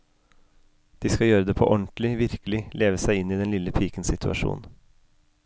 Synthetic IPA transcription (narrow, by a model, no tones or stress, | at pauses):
d̪̥iːskɑjøːɾəd̪eːpʰo̰ːʔɔɳt̪l̩ɪʋɪɾkəlɪleːʋəsæɪɪniːd̪ɛnlɪləpʰiːkənsɪt̪ʰʉɑ̰ʃṵːn